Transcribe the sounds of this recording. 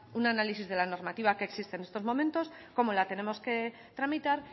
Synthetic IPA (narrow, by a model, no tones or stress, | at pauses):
unanalisizðe̞lano̞ɾmat̪iβakeksist̪ene̞st̪o̞zmo̞mẽ̞nt̪o̞s | ko̞mo̞lat̪e̞ne̞mo̞ske̞ | t̪ɾamit̪aɾ